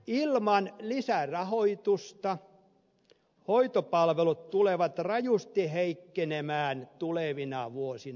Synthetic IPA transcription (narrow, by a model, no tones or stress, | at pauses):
ilmɑnlisærɑhoit̪ust̪ɑ | hoit̪opɑlʋelut̪t̪uleʋɑt̪rɑjust̪iheikːenemæːnt̪uleʋinɑʋuosin